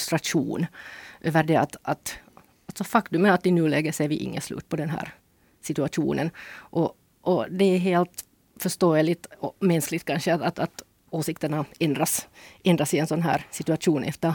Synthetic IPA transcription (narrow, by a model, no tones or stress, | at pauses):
st̪ɾaʂṵːnʔøːʋəɖɛɑt̪ɑt̪ | ɑlsɔfɑkt̪ʉmənat̪ːɪnʉːlɛːɡəseːɾʋɪ̰ʔɪ̰ŋːə̰slʉ̰ːt̪̚pʰɔd̪ɛnɦæ̰ːɾ | sɪt̪ʉɑt̪ʰṵːnənʔɔ | ʔɔd̪ɛæɦeːlt̪ | fœʂt̪oːəlɪt̪ɔmɛnsklɪɡt̪̚kʰɑnʂəɑɑt̪ɑt̪ | oːsɪkt̪əɳaɛnd̪ɾasʔɛnd̪ɾasɪɛnsɔnɦæ̰ːɾsɪt̪ʉɑʂuːnʔɛ̰ft̪əɾ